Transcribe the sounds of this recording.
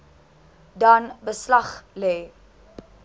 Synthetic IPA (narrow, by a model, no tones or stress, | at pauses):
dɐnbəslɐχlɛː